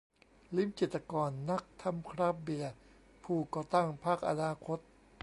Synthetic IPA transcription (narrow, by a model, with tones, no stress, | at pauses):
li˦˥˨mt͡ɕi˨˩t̪ːa˧kɔː˧nːa˦˥k̚t̪ʰa˧˥˨mkʰɾaː˦˥p̚bi˨˩ɐ | pʰuː˧˩kɔː˧˩t̪a˥˩ŋpʰaː˥˩k̚ʔa̰˧naː˧˥kʰo˦˥t̪̚